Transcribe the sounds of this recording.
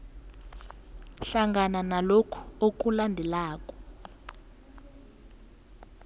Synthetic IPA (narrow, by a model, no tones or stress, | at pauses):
ɬaŋɡananalokʰɔ̥ok̬ʼulandʱɛlaːkʼɔ̥